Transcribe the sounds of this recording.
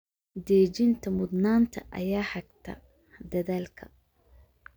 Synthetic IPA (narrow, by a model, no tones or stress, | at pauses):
d̪ɛːd͡ʒɪnt̪ʰɐmʊd̪naːnt̪ʰɐʔɐ̰jaːħɑɡ̚t̪ʰɐ̰ | d̪ɐðaːlkʰɐ